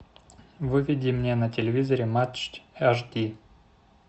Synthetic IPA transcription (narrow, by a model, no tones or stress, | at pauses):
vɨvʲɪdʲimnʲenətʲɪlʲɪvʲizəɾʲɪmat̪t͡ʃtʲaʐd̪ʲi